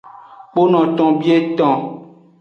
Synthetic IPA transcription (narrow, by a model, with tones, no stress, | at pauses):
k͡po˦nɔ̃˨t̪ɔ̃˨bi˦e˦t̪ɔ̃˨